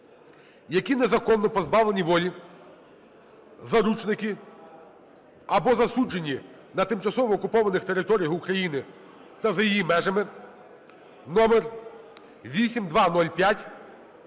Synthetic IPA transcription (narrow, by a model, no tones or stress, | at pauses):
jɐkʲinezɐkɔnːɔpɔzbɑʋlenʲiʋɔlʲi | zɐɾut͡ʃnɪkʲi | ɐbɔzɐsud͡ʒenʲːi | nɐt̪ɪmt͡ʃɐsɔʋɔːkʊpɔʋɐnɪxt̪eɾɪt̪ɔɾʲijɐxukɾɐjinɪ | t̪ɐzɐjijimɛʒɐmɪ | nɔmɛr | ʋʲisʲimd̪ʋɑnɔlʲpʲjatʲ